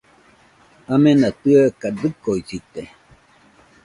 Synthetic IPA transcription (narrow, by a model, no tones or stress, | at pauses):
amẽnat̪ɨakadɨkoisit̪e